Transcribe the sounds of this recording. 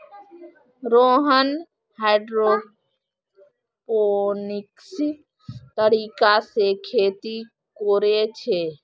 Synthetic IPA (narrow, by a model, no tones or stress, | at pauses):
ɾoːɦən | haɪɖɾo | ponɪks | t̪əɾiːkasekʰeːt̪i | koɾet͡ʃʰe